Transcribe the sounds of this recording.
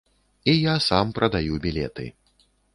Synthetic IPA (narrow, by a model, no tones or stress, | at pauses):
ijasampɾʔɐd̪ajubʲilʲɛ̰t̪ɨ̰